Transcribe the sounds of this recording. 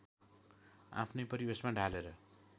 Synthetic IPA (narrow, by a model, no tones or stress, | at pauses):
a̰pʰnʌjpʌɾibesmaɖʱaleɾʌ